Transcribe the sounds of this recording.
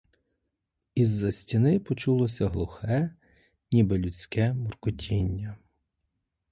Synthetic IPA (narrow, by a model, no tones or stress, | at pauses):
izːɐsʲtʲinɪpɔt͡ʃulˠɔsʲɐɦlˠʊxɛ | nʲibɛlʲut͡sʲkɛmɔrkʊtʲʰinʲːɐ